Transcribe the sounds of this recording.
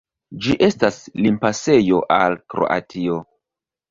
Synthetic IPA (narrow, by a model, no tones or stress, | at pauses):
d͡ʒiʔe̞staslimpase̞jo̞ʔalkɾo̞̰ʔa̰tʰio